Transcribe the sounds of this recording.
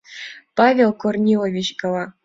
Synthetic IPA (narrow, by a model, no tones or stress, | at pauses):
pɑvʲelˠkornʲilˠovʲit͡ɕkɤ̆lˠɑ